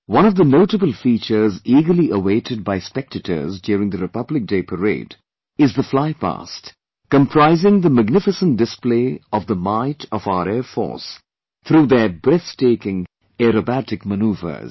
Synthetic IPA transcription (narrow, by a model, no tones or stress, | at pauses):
wʌ̃ñɔvðənoʊʈəbəl̩ˠfiːt͡ʃə˞ziːɡə˞liʔəweɪtʰɨd̚baɪspɛk̚tʰətə̰˞zdjɔːɾɪ̃ŋd̪əɾɨpʌblɪk̚d̥eɪpʰəɹḛɪd | ɪzðəflaɪpa̰st | kə̃mpʰɾ̥aɪzɪ̃ŋðəmæɡ̚nɪfɨsə̃n̚dɨspleɪɔvðəmaɪtʰɔvaʊəɾɛːfɔ̰ɹs | t̪ɾuːðə˞bɾɛθteɪkɪ̃ŋ | ɛɾobætɪkmənuːvə̰˞z